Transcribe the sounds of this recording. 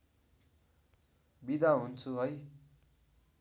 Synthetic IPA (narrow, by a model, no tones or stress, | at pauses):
bid̪aɦunt͡sʰuɦʌj